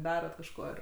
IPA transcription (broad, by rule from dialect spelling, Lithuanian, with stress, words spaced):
ˈdɑːrɐt kɐʃˈkoː ɪr